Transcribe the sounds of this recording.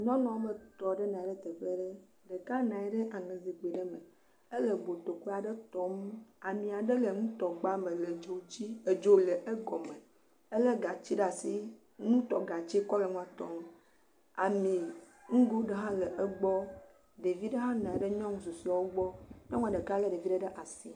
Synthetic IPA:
ɲɔ̃˦nɔ̃˨˦o˦me˨t̪ɔ˨ɖe˦nã˨ɖe˦t̪e˨ɸe˦ɖə˦ | ɖe˨ka˦nã˨ɛ˦ɖə˦ʔa˨nẽ˨zi˨k͡pe˨ɖə˦mẽ˨ | e˦lə˨ɡ͡bo˨t̪o˨ke˦a˨ɖe˦t̪ɔ˦ma˨mĩ˨a˨ɖə˦lə˨ŋũ˦t̪ɔ˨ɡ͡ba˦mẽ˨le˨d͡ʒo˨˦t͡ɕi˦e˨d͡ʒo˦le˨ʔe˦ɡɔ˨me˨ | ə˦lə˦ɡa˨t͡ɕi˦ɖa˨si˦ | ŋũ˦t̪ɔ˨ɡa˨t͡ʃe˦kɔ˦lə˨ŋũ˦a˨t̪ɔ˦m | a˨mĩ˨ | ŋũ˦ɡo˦ɖə˦ɦã˦lə˨ʔə˦ɡ͡bɔ˦ | ɖe˨vi˦ɖə˦ɦã˦nã˨ɛ˨ɖə˦ɲɔ̃˦ŋũ˦su˨si˦a˨˦wo˦ɡ͡bɔ˦ɲɔ̃˦ŋũ˦a˨ɖə˨ka˦lə˦ɖe˨vi˦ɖə˦ɖə˦ʔa˨si˦

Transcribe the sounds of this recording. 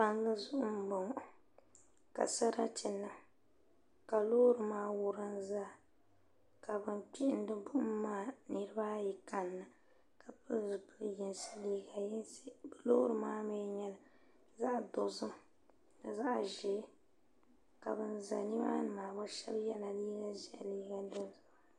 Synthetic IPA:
pa˨ŋɡɨ˦zʊ˦ʔʊ˦m˦bo˨ŋ˨ | ka̰˨sa˦ɾa˦ti˨nːɨ˨ | ka˨loː˦ɾɨ˨maː˦wʊ˦ɾɨ˦n˦za˦ | ka˨bɨ˦npi˦ʔɪ˨n˦dɨ˦bʊ˦m̩˦mːaː˦nɨ˦ɾɨ˦ba˦ji˨ka˨nːɨ˨ | ka˨pɨ˦˨bɨ˦ji˨nsɨ̥˦liː˦ɡa˨jbɨ˦lo̰ː˦ɾɨ˨maː˦mɛ˦ɲɛ˦la˨ | za˦ʔdʊ˨zɨ˦m | nɨ˨za˦ʔʒi˨˦ | ka˨bɨ˨nza̰˨ni˦ba̰˦nɨ˨maː˨ba˦ʃɛ̰˦bjɛ˦la˨liː˦ɡa˦zi˨˦˨liː˦ɡa˦dɨ˦zʊ˨

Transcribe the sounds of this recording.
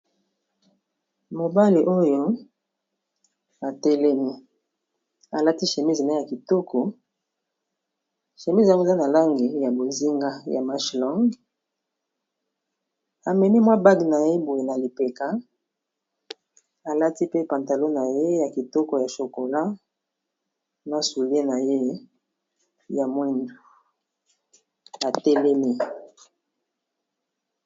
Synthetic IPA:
mo˨ba˦li˨ʔo˦jo˦ | a˨tɛ˦lɛ˦mi˦ | a˨la˦ti˦ʃe˨mi˦zn˨˦ja˨ki˨tɔ˦kʰɔ˨ | ʃe˨mi˦za˦o˦˨za˦na˨la˦ŋɡi˨ja˨bo˨zi˦ŋɡa˦ja˨ma˦ʃlɔ˦ŋɡ | a˨mɛ˨ni˦mwa˦ba˦ɡna˨je˦bo˨je˨na˨li˨pe˨ka˨˦ | a˨la˦ti˦pe˦pã˨nta˨lo˦na˨je˦ja˨ki˨tɔ˦kɔ˨ja˨ʃo˨ko˨la˦ | na˨su˨le˦na˨je˦ | ja˨mwɛ˦n˨ | a˨tɛ˦lɛ˦mi˦

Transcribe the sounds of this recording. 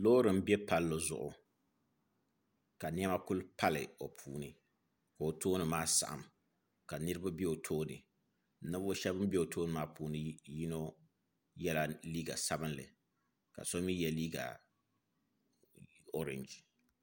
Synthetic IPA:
loː˦ɾɨ˨m̩˦bɛ˦pa˨lːo˨zʊ̰˨ʔʊ̰˨ | ka˨n˦ɛ˦ma˦kʊ˦lpa˦lɨ̰˨o˨pʰuː˨nɨ˦ | ka˨o˨tʰoː˦nɨ˨maː˦sa̰˨ʔa̰˨m | ka˨nɨ˦ɾɨ˦ba˦bɛ˦o˨tʰoː˦nɨ̰˨˦ | nɨ˦bo˦ʃɛ˦bɨ˦m˦bɛ˦o˨tʰoː˦nɨ˨maː˦puː˨nɨ˦ji˦no˦ | jɛ˦la˦liː˦ɡa̰˨sa˦bɨ˦nlɨ̰˨ | ka̰˨so˦mi˦jɛ˨liː˦ɡa̰˨ | o˦ɾɛ̰˨nd͡ʒ

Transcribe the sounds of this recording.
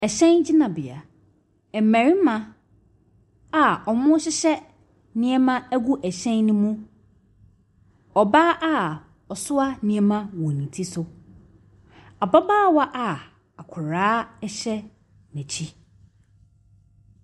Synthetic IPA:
ɛ˨ɕɛ̃˦nd͡ʑɪ˦nã˨bɪ˨a˨ | ɛ˨m˨mæ̃˨ɾi˦mã˦ | a˨ɔ˨mʊ̃˦ɕɪ˦ɕɛ˦ | nĩ˦ɛ˦mã˦æ˦ɡu˦ʔæ˨ɕɛ̃˦nnʊ̃˦mũ˦ | ɔ˨baː˦ʔa˦ | ɔ˨sʊ˦a˦nĩ˨˦ɛ˦mã˦wɔ̃˨nĩ˨tʰi˦sʊ˨ | a˨ba˦baː˦˨wa˦ʔa˨ | a˨kʷʰʊ˨ɾaː˦ɛ˦ɕɛ˦ | nɛ̃˨t͡ɕʰi˦

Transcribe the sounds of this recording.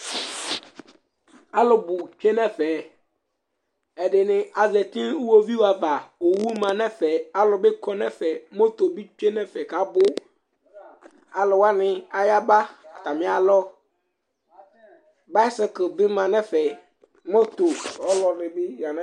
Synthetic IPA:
a˦lʊ˨bʊ˨t͡ʃᶣe˦nɛ̃˦fɛ˨ | ɛ˨dɪ˨nɪ̃˨ʔa˨zɛ˨tĩ˦wo˦vi˦wa˨va˨o˨wu˦mã˨nɛ̃˦fɛ˨a˦lɔ˨bɪ˦kʰɔ˦nɛ̃˦fɛ˨mo˦to˨bi˦t͡ʃᶣe˦nɛ̃˦fɛ˨ka˦bʊ˦ | a˨lʊ˨wa˦nɪ̃˨a˦ja˦ba˦˨ta˨mɪ̃˨˦a˨lɔ˦ | ba˦ɪ˦sɪ˨kbɪ˦mã˨nɛ̃˦fɛ˨ | mo˦to˨ɔ˦lɔ˨dɪ˨bɪ˦ja˨nɛ̃˦

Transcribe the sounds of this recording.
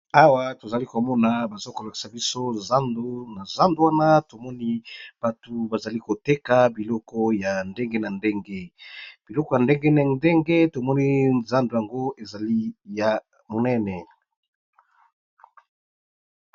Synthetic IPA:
a˦wa˦to˨za˨li˦ko˨mɔ˦na˨ba˨zo˦ko˨la˨ki̥˨sa˨bi˦so˦za˦ndo˦na˨za˦ndo˦wa˦na˦to˨mɔ˦ni˦b̥a˨tu˨ba˨za˨li˦ko˨te˦ka˨bi˨lɔ˦kɔ˦ja˨nde˦ŋɡe˦na˨nde˦ŋɡe˦b̥i˨lɔ˦kɔ˦ja˨nde˦ŋɡe˦nɛ˨nde˦ŋɡe˦to˨mɔ˦ni˦za˦ndo˨ja˨ŋɡo˦e˨za˨li˦ja˨ | mo˨nɛ˦nɛ˨

